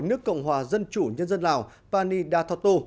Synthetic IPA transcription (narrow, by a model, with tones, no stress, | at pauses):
jnɨ˦˥əkːə̰˧˨wŋ͡mɦwaː˨˩zə˧nt͡ɕu˧˩ɲə˧nzə˧nlaː˨˩w | paː˧ni˧ɗaː˧t̪ʰaː˧wt̪o˧